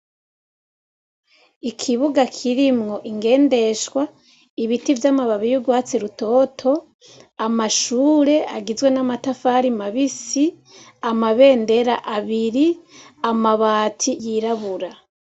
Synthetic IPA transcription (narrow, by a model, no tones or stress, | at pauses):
ikʰiβuɡakʰiɾimŋo̞ʔiŋɡe̞ːnde̞ʃwa | iβitivjamaβaβijuɡwaːt͡seɾuto̞ːtʰo̞ | amaʃuːɾe̞aɡizɡwe̞namatafaːɾimaβisi | amaβe̞ːnde̞ɾa̰ʔaβiɾiamaβaːtʰijiɾaβuɾa